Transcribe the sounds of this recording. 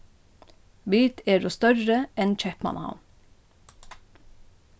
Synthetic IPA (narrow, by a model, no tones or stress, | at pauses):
biːt̪ʰeːdoːst̪œɾəɛnc͡çɛpmɑ̰nhɑ̰m